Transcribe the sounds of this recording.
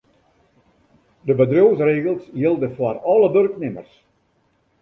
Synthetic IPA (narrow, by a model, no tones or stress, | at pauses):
dəbədroːsreːɣəlˠsjɪlˠdəfwarɔləbørknɪmə̰rs